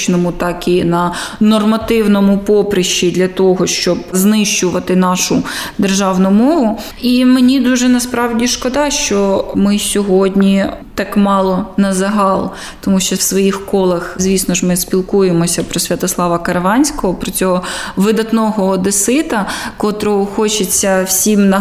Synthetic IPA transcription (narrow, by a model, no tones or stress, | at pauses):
t͡ʃnɔmʊt̪ɑkinɐnɔrmɐt̪ɪwnɔmʊpɔpɾɪʃt͡ʃid̪lʲɐt̪ɔɦɔʃt͡ʃɔbznɪʃt͡ʃʊʋɐt̪ɪnɑʃʊd̪erʒɑwnʊmɔʋʊ | imenʲid̪uʒɛnɐspɾɑwdʲiʃkɔd̪ɑʃt͡ʃɔmɪsʲɔɦɔdʲnʲit̪ɑkmɑlˠɔnɐzɐɦɑlˠ | t̪ɔmuʃt͡ʃɔwsʋɔjixkɔlˠɐxzʲʋʲisnɔʒmɪsʲpʲilˠkujemɔsʲɐpɾɔsʲʋʲɐt̪ɔslˠɑʋɐkɐɾɐʋɑnʲsʲkɔɦɔpɾɔt͡sʲɔɦɔʋɪd̪ɐt̪nɔɦɔːd̪esɪt̪ɐkɔt̪ɾɔɔxɔt͡ʃet͡sʲːɐwsʲimnɐ